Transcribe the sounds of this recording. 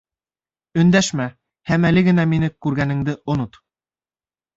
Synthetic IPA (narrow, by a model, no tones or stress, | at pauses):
ɵ̆nd̪æʃmæ | hæmælɘɡɘ̆næminɘkːʉɾɡænɘ̆ŋd̪ɘʔŏnot̪